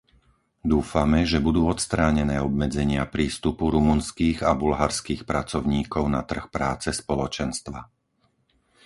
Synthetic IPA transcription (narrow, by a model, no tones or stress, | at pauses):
d̪uːfamɛʒɛbud̪uːɔt̪st̪ɾaːɲɛnɛːɔb̚mɛd͡zɛɲɪapɾiːst̪upuɾumunskiːɣabulɦaɾskiːxpɾat͡sɔʊɲiːkɔʊnat̪r̩xpɾaːt͡sɛspɔlɔt͡ʃɛnst̪ʋa